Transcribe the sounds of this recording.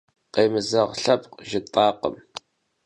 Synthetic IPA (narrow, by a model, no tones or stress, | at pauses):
qeːmɨzɐʁɬɐpʼqʒɪt̪ʼɑːqə̰m